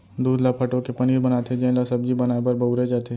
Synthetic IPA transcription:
d̪uːd̪lapʰɐʈõkepɐniːɾbɐnaːt̪ed͡ʒẽlasɐb̚d͡ʒibɐnaːepɐɾbɐuɾed͡ʒaːt̪e

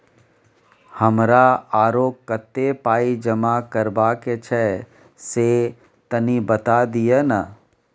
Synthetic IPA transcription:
həmɾaaːɾoːkkːət̪ːepaːid͡ʒəmakəɾbaket͡ʃʰɛ | se | t̪ɐnibət̪ad̪ijana

